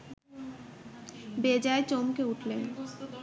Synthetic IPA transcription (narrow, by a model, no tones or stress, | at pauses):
bed͡ʑaet͡ɕomkeuʈʰle